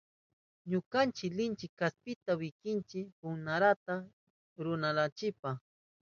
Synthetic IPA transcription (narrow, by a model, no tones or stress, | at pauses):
ɲʊkant͡ʃɪklɪnt͡ʃɪkːaspɪt̪awɪkɪnt͡ʃɪpʊŋnaɾat̪a | ɾʊnalat͡ʃɪpa